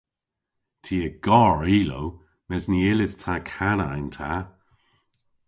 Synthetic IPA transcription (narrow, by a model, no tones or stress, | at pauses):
tʰiːəɡ̥ɔɹiːlo̰w | mɛzniɪlɪttʰakʰanaɪntʰa